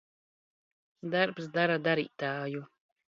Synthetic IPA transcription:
d̪aɾpsd̪aɾad̪aɾḭːt̪aːju

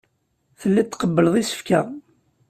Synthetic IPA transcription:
θəlːit̪ːqəbːəlðˤisə̥fkæ̰

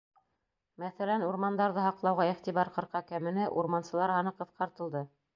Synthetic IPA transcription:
mæθælænuɾmɑnd̪ɑɾðɤɦɑqlˠɑwʁɑiχt̪iβɑɾqɤ̆ɾqɑkæmɘ̆nɘʔuɾmɑnsɤ̆lˠɑɾhɑnɤqɤ̆θqɑɾt̪ɤ̆lˠd̪ɤ

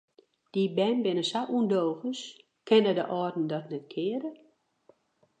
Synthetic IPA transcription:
d̥ibɛnbɪnəsaʔundoːɣəs | kʰɛnədəʔɔrdn̩dɔtnɛt̚kʰɪədə

